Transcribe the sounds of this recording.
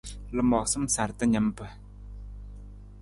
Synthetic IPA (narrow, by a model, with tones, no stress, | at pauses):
lə˨mɔ˩˨χsə˥msa˨rt̪ə˥ɲə˩˨mpə˩˨